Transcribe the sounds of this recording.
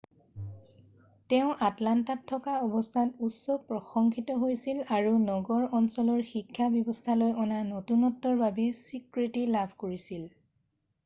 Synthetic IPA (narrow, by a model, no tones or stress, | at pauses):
tɛʊ̃ʔatlantatʰːɔkaɔbɔstʰatutsɔpɹɔxɔŋkʰitɔɦojsilaɹunɔɡɔɹɔnsɔlɔɹxikʰːabjɔbɔstʰalojʔɔnanotunɔtːɔɹbabɛsikɹitilabʱkoɹisil